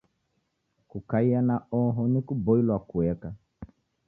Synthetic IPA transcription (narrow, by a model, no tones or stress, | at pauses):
kukaijanaɔɦɔnikuboilwakuɛka